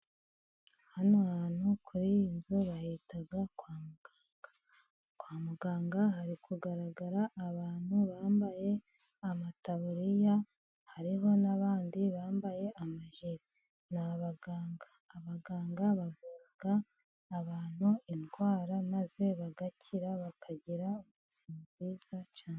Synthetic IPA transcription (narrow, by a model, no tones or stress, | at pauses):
hanahanhukʰuɾijinzuβahitaɡakwaːmuɡ̥aːŋɡ̥ḁ | kwaːmuɡaːŋɡaɦaɾikʰuɡaɾaɡaɾaʔːβaːn̥huβaːmbaje̞ | amataβuɾija | haɾiɦo̞naβaːndiβaːmbaje̞ʔamaʒiɾi | naβaɡaːŋɡḁːβaɡaːŋɡaβavuː | ɡaː | βaːn̥uinɡwaːɾamaze̞βaɡacʰiɾaβakʰaɟiɾaouzimubziːz̥at͡ʃaːne